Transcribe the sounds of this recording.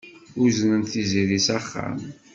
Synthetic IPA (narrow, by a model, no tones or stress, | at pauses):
ʊznənθiziɾisaχːa̰m